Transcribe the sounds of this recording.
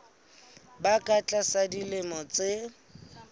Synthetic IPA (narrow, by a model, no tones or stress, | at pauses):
bakʼat͡ɬʼasadilɪmɔt͡seɪ